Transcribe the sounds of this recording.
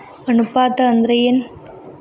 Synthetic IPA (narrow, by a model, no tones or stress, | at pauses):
ɐnɯpːaːt̪ɐːnd̪ɾɐjɪn